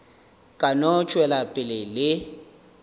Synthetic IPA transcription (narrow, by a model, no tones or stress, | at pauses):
kʼanɔt͡ʃʼwɛlapʼɪlɪlɪ